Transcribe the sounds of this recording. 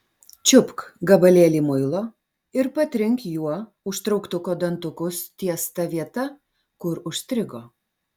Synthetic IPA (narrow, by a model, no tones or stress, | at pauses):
t͡ʃʲʊpkɡɐbɐlʲeːlʲiːmʊɪlˠoː | ɪɾpɐt̪ʲɾʲɪŋkjuɔ | ʊʃt̪ɾɔʊkt̪ʊkoːd̪ɐnt̪ʊkʊst̪ʲiɛst̪ɐʋʲiɛt̪ɐ | kʊɾʊʃʲsʲt̪ʲɾʲɪɡoː